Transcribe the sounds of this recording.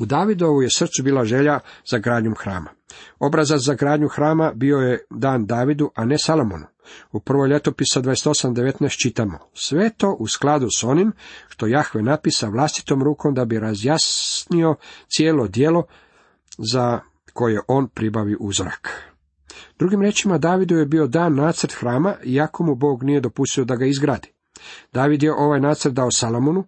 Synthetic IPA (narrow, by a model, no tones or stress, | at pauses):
ud̪aːʋid̪o̞ʋuje̞sr̩t̪subiːlaʒe̞ʎaz̥aɡɾaːd̪ɲumxɾa̰ːma̰ | o̞bɾazat̪zaɡɾaːd̪ɲuxɾaːmabio̞jed̪aːnd̪aːʋid̪uʔane̞salo̞mo̰nu | upr̩ʋo̞jʎe̞t̪o̞pisad̪ʋaest̪o̞samd̪e̞ʋe̞t̪nɛst̪t͡ʃit̪amo̞̰sʋe̞t̪o̞ːʔusklad̪uso̞nimʃt̪o̞jaxʋenapisaʋlˠast̪i̥t̪o̞mɾuːko̞md̪abiɾazjasnio̞t̪sje̞ːlo̞d̪je̞lo̞ | za | ko̞je̞ʔo̞ːnpɾibaʋiʔuzoɾa̰k | d̪ɾuɡimɾjet͡ʃimad̪aːʋid̪uje̞bio̞d̪aːnːaːt̪sɾt̪xɾaːmaʔiako̞mubo̞ːɡnije̞d̪o̞pust̪io̞d̪aɡaizɡɾaːd̪i̥ | d̪̥aːʋid̪je̞ʔo̞ʋajnaːt̪sr̩t̪̚d̪aosalˠomonu